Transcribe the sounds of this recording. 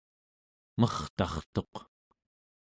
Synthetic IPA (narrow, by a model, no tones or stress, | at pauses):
mʌχt̪ɑχt̪o̞q